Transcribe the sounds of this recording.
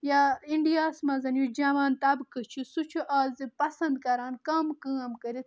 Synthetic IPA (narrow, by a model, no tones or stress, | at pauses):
jaːiɳɖijaːsmɐzɐnjud͡ʒaʋaːnt̪ɐbkət͡ʃʰisut͡ʃʰuʔaːzipɐsɐnd̪̚kɐɾaːnkaːmkə̃ɐmkəɾit̪